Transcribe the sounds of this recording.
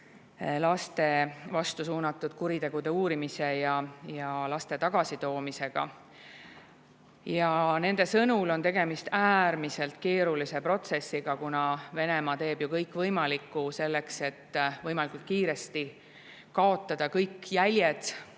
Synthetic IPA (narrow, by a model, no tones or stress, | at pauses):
lɑst̪e̞vɑst̪usuːnɑt̪ːˑud̪̥̚kuɾit̪e̞ɡ̥ud̪e̞uːɾimise̞jɑjɑlɑst̪e̞t̪ɑɡ̥ɑsit̪o̞ːmise̞ɡ̥ɑ̰ | jɑne̞nd̪̥e̞sɤnulo̞nt̪e̞ɡe̞mist̪æːɾmise̞lt̪ke̞ːɾulise̞pro̞t̪se̞sːiɡ̥ɑkunɑve̞ne̞mɑt̪e̞ːb̥jukɤjkːˑvɤjmɑlikːˑuse̞lːe̞kse̞t̪ːvɤjmɑlikˑult̪̚kiːɾe̞st̪i | kɑo̞t̪ˑːɑd̪̥ɑkɤjkːjælʲjed̪